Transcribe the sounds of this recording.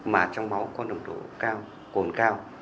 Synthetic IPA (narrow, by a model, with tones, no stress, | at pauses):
maː˨˩t͡ɕɔ˧wŋ͡mma˨˦wkɔ˨˦ɗə˨˩wŋ͡mɗo̰˧˩kaː˧w | ko˨˩nkaː˧w